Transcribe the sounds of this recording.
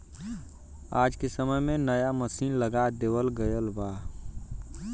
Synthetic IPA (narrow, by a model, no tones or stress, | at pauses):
aːd͡ʒkesəməjmẽnəjaməsiːnləɡad̪eːwəlɡəjəlbaː